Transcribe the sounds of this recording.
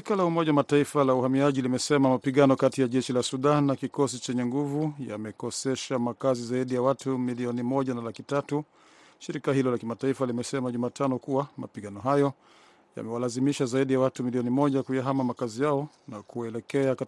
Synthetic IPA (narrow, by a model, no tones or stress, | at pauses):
ʃikalaumɔʄawamataifalauhamiaʄilimɛsɛmamapiɠanɔkatijaʄɛʃilasuɗanːakikɔsit͡ʃɛɲɛŋɡuvuja̰mɛkɔsɛʃamakazizaiɗijawatumiliɔnimɔʄanalakitatu | ʃiɾikahilɔlakimataifalimɛsɛmaʄumaːtanɔkuwama̰piɠanɔɦajɔ | ja̰mɛwalazimiʃazaiɗijawatumiliɔnimɔʄakujaɦamamakazijaɔ | nakuɛlɛkɛaka